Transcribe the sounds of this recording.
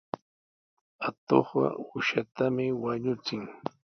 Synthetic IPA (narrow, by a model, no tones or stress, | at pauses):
at̪o̰χɢɑ̰ʊʃat̪amɪwaɲʊt͡sɪŋ